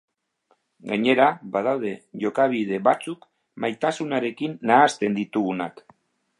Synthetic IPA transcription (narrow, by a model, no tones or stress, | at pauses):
ɡaɲe̞ɾabað̞awð̞e̞ʝo̞kaβið̞e̞βat͡suk | majt̪asunaɾe̞kinːaːst̪e̞nd̪it̪uɣunak